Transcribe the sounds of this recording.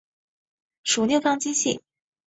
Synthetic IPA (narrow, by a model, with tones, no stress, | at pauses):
ʂu˨˩njo˥˩ʊfɑ˥˧ŋt͡ɕi˥ɕḭ˥˩